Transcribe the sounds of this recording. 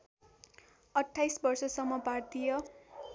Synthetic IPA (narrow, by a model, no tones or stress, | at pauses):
ʌʈʰːajsbʌrsʌsʌmːʌpart̪ijʌ